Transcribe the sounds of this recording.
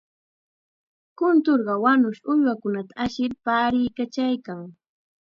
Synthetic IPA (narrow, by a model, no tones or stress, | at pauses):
kʊnt̪oɾɢɑwanʊʃʊʎwakʊnat̪aaʃɪɾpaːɾɪjkat͡ʃajkaŋ